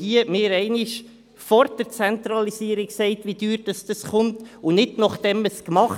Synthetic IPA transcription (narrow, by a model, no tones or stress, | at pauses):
iəmɪːɾɛɪnɪʃ | fɔɾd̥əɾt͡sɛnt̪ɾɑlisiəɾiksɛɪtʋid̥yːɾd̥ɑsd̥ɑsχʊntʊnɪdnɑχd̥ɛməskmɑχ